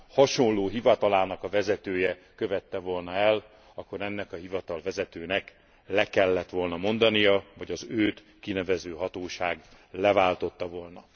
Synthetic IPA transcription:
hɒʃo̞nlːoːɦivɒt̪ɒlaːnɒkɒvɛzɛt̪øːjɛkøvɛt̪ːɛvo̞lnɒɛl | ɒkːo̞ɾɛnːɛkɒɦivɒt̪ɒlvɛzɛt̪øːnɛk | lɛkɛlːɛt̪ʋo̞lnɒmo̞nd̪ɒnijɒvɒɟɒzøːt̪ | kinɛvɛzøːɦɒt̪oːʃaːɡ | lɛvaːlt̪o̞t̪ːɒvo̞lnɒ

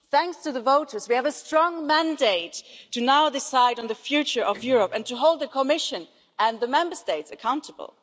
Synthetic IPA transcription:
θæ̃ŋkstʰɨðəvoʊɾə˞zwiɨvəstɹ̥ɔ̃ŋmæ̃ndeɪtʰːɨnaʊdɪsaɪɾn̩ðɨfjʉt͡ʃə˞ʔʌvjʊɹəpɨ̃ntʰɨɦoʊlˠd̪̚ðɨkʰəmɪʃɨ̃n | ʔɨ̃nðəmɛ̃mbə˞steɪtsɨkʰãʊ̃ntʰəb̰l̩ˠ

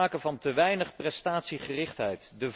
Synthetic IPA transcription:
aːkənvɑntəʋɛjnəχprɛstaːtsiχərɪχtɦɛjtdəv

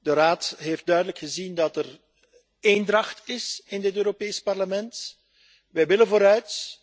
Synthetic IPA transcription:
dəraːtɦeft̚dœɥdələkxəzindɑtər | eːndrɑxtɪsɪndɪtøːɾopeːspɑrləmɛnt | ʋɛjʋɪlənvoːɾœɥt

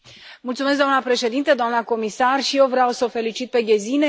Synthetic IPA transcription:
mult̪sumes̬ɡd̪oanəpɾe̞ʃe̞d̪int̪əd̪oamnəko̞misarʃijewvɾeawsəofe̞lit͡ʃit̪̚pe̞ɡezine

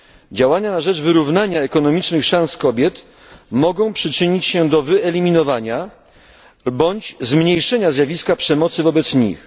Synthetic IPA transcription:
d͡ʑawaɲanaʐɛd͡ʐvɘɾuvnaɲaɛkɔnɔmʲit͡ʂnɘxʂãñskɔbʲjɛt̪ | mɔɡɔ̃w̃pʂɘt͡ʂɘɲit͡ɕɕɛ̃d̪ɔvɘɛlʲimʲinɔvaɲa | bɔɲt͡ɕzmɲejʂɛɲazʲjavʲiskapʂɛmɔt̪sɘvɔbɛt̪sɲḭx

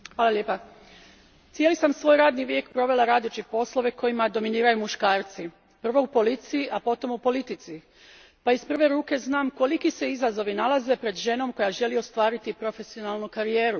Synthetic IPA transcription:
xʋaːlˠaljepa | t̪sje̞lisamsʋo̞ːjɾaːd̪niʋjekpɾo̞ʋe̞lˠaɾaːd̪ot͡ʃit̪po̞slˠo̞ʋe̞ko̞jimad̪o̞miniːɾajumuʃkaːɾt̪si | pr̩ʋo̞upo̞lit̪sijiʔapo̞t̪o̞mupo̞lit̪it̪si | paispr̩ʋe̞ɾuːke̞znaːmko̞likise̞izazo̞ʋinalaze̞pɾe̞d̪ʒe̞no̞mko̞jaʒe̞lio̞st̪ʋaːɾit̪ipɾo̞fe̞sio̞nalˠnukaɾije̞ːɾu

